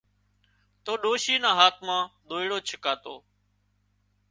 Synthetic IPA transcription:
t̪oːɗoːʃiːnãːɦaːt̪̚ʰmãːɗ̪oːiɽoːt͡ʃʰəkaːt̪o̰ː

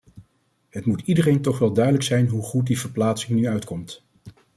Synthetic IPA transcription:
ɦətmutidərejntɔχʋɛlˠdœɥdələksɛjnɦuχut̚div̥əɹplaːtsɪŋnyœɥtkɔmt

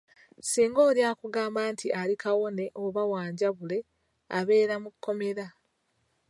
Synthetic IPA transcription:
siːŋɡo̞ːljaːkuɡaːmbaːntʰiʔalikawo̞ne̞ʔoβawaːɲɟaβule̞ | aβe̞ːɾamukʰːo̞me̞ɾa

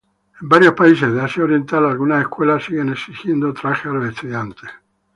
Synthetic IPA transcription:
embaɾjopaisezðeasjaoɾjent̪alalɡunaeskwelasiɣeneksist̪jend̪ot̪ɾaxealoest̪uðjant̪e̥

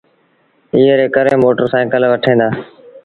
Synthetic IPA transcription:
iːɦeɾeːkəɾẽːmoːʈəɾsãːẽːkəlʋəʈʰẽːnd̪aː

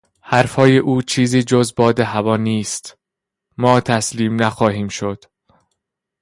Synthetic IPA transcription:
hæɾfhɒːjeʔuːt͡ʃʰiːziːd͡ʒozbɒːd̪eɦævɒːniːst̪ | mɒːt̪ʰæsliːmnæxɒːɦiːmʃod̪̥

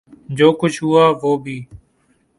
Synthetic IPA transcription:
d͡ʒoːkʊt͡ʃʰɦʊaːʋoːbʱiː

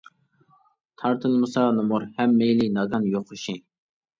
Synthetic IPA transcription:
t̪ʰɑɾt̪ʰɨlˠmɨsɑnɨmʊɾhɛmːejlinɑɡɑnjoχʊʃi

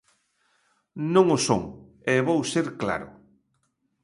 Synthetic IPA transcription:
nõŋʊso̰ŋ | eβowseɾkla̰ɾʊ̰

